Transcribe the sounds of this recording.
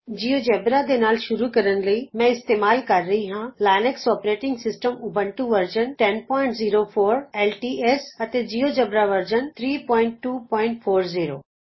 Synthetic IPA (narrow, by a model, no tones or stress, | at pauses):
d͡ʑiːod͡ʒebɾad̪enaːlʃʊɾukɐɾənlɐimɛ̃ɪst̪eːmaːlkɐɾːɐɦiɦãlaːneksɔːpɾeːʈɪ̃ŋɡsɪsʈəmʊbʱəɳʈuʋɐɾd͡ʒənʈɛnpɔːɪ̃ɳʈziːɾofʰoːɾeːlʈiːeːsɐt̪ed͡ʑiːoːd͡ʒɐbɾaʋɐɾd͡ʒənt̪ʰɾiːpɔ̃ːɪ̃ɳʈːuːpɔːɪ̃ɳʈfʰoːɾziːɾo̰ː